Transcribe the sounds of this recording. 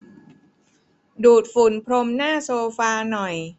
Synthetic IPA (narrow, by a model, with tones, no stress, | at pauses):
duː˨˩t̪̚fu˨˩˦npʰɾo˧mnaː˥˩soː˧faː˧nɔ˨˩j